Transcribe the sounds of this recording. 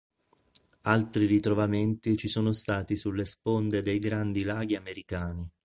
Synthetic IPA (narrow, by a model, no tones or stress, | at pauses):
alt̪ɾirit̪ɾovament̪it͡ʃisɔːnost̪aːt̪isulːespond̪ed̪ejɡɾand̪ilaːɡiameɾikaːni